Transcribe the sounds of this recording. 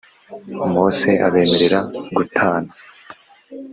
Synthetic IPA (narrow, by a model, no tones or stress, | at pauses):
umoːseʔa̰βe̞ːme̞ɾeɾaɡutʰaːna